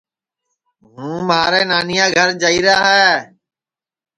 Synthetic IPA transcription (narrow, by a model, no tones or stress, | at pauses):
ɦũːmaːɾeːnaːnɪjãːɡʱəɾd͡ʒaːiːɾaːɦɛː